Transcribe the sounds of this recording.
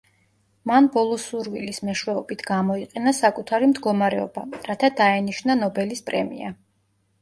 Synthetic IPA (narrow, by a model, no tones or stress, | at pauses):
manbɔlˠɔsuɾvilismɛʃwɛɔbit̪ʰɡamɔiqʼɛnasakʼut̪ʰaɾimd̪ɡɔmaɾɛɔ̰baɾat̪ʰad̪aɛniʃnanɔbɛlispʼɾɛ̰mḭa̰